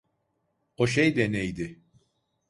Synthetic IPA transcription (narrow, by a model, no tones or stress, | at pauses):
oʃ̬ejd̪ɛnejd̪ɪ